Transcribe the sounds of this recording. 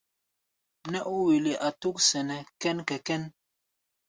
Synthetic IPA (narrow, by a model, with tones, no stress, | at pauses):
nɛ˦ʔu˦wi˨li˨ʔa˨tu˦k̚sɛ˨nɛ˨kɛ˦nkɛ˨kɛ˦n